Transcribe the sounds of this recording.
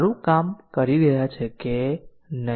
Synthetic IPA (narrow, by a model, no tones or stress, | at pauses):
ɾũkamkəɾiɾəɦjat͡ʃʰeke | nə